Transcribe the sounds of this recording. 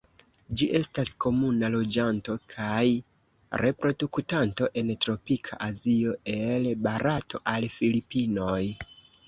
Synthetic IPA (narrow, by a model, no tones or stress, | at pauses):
d͡ʒiʔe̞stasko̞munalo̞d͡ʒanto̞kʰaj | ɾe̞pɾo̞duktanto̞ʔe̞ntɾo̞pikʰaʔazio̞e̞lbaɾatʰo̞̰ʔalfilipino̞j